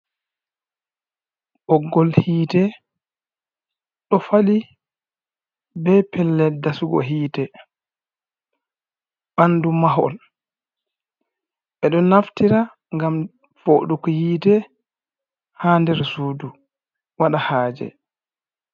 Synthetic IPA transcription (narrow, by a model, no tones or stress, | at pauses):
ʔɔɡːɔlhiːtɛ | ɗɔfali | bɛpɛlːɛdasuɡɔ̰ɦiːtɛ | b̥andumaɦɔ̰l | ɓɛɗɔnaftiɾa | ŋɡam | foːɗukɔhiːtɛ | haːndɛɾsuːdu | waɗahaːd͡ʒɛ̰